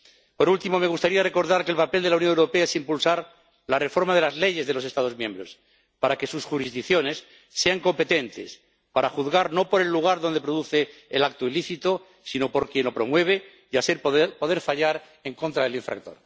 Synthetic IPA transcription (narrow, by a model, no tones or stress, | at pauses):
po̞ɾult̪imo̞me̞ɣ̞ust̪aɾiare̞ko̞ɾðaɾkelpape̞ld̪elaunjoŋewɾopeaesimpulsaɾ | lare̞fo̞ɾmað̞e̞lazle̞ʝe̞zðe̞lo̞sest̪að̞o̞zmjẽ̞mbɾo̞s | paɾake̞susxuɾizðikθjo̞ne̞sː | e̞aŋko̞mpe̞t̪e̞nt̪e̞̰s | paɾaxuðɣaɾno̞po̞ɾe̞lːuɣ̞aɾðo̞nd̪e̞pɾo̞ðuθe̞ːlak̚t̪oiliθit̪o | sino̞po̞ɾkje̞no̞pɾo̞mwe̞β̞e̞ | jaseɾpo̞ðe̞ɾfaʎaɾ | e̞ŋko̞nt̪ɾaðe̞liɱfɾa̰k̚t̪o̞̰ɾ